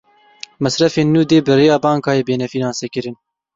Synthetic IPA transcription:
mɛsɾɛfeːnːuːd̪eːbɨɾeːjɑːbɑːŋkɑːjeːbeːnɛfiːnɑːnseːkɨɾɨn

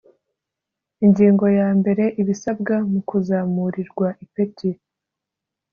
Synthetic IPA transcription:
iɲɟiːŋɡo̞jaːmbe̞ɾe̞ʔiβisabɡamukuzamuɾiɾɡwaʔipeti

